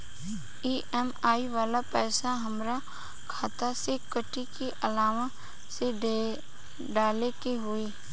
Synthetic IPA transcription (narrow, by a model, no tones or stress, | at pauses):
iːʔɛmaːiʋaːlapɛːsaɦəmɾa | kʰaːt̪asekəʈikiʔəlaːʋə | se | ɖaːlekeɦʊiː